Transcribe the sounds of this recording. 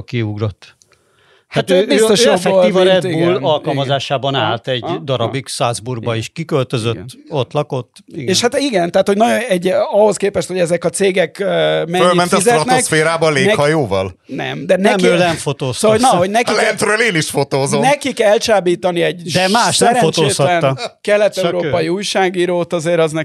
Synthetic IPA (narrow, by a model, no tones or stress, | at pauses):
kiuɡɾot̪ː | hat̪øbist̪oʃjoolivɔɾɛd̪iɡbuːlɒlkɒlmɒzaːʃaːbɒnaːlt̪ɛɟd̪ɒɾɒbiksazburɡ̚bɒiʃkikølt̪øzøɡt̪ːo̞t̪lɒko̞t̪ːiɡeːʃhat̪iɡɛnt̪aːt̪ho̞ɟnɒɟonɛɟɒho̞skeːpɛʃt̪ho̞ɟɛzɛkɒt̪seːɡɛkmɛfølmɛnt̪zɛɾɒt̪nksfeːɾaːbɒleːnɛhɒjoːvɒl | nɛ̰md̪ɛnɛmkølɛmfot̪oːsonɒɦo̞ɟnɛkilɛnt̪ɾøːleːniʃfot̪oːzonɛkikɛlt͡ʃaːbiːt̪ɒniɛɟdd̪ɛmaːʃsɛmɾɛfot̪oːeːshɒlɛnːkɛlːɛt̪ːɛɾoːpɒjiuːjʃaːɡiːɾoːt̪ɒzeːɾɒznɛ